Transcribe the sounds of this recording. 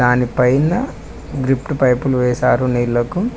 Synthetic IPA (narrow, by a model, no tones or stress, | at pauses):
aːnipɐjnɐ | ɡɾipʈpɐjpuluʋɛːsaːɾuniːlːɐku